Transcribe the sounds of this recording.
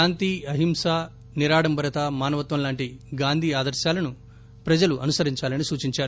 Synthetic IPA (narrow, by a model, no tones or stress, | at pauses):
aːnt̪iːɐɦimsa | niɾaːɽɐmbʱɐɾɐt̪amaːnɐʋɐt̪ʋɐmlaːɳʈiɡaːnd̪ʱiːaːd̪ɐɾʃaːlɐnu | pɾɐd͡ʒɐluʔɐnusɐɾiɲt͡ʃaːlɐnisuːt͡ʃiɲt͡ʃaːɾu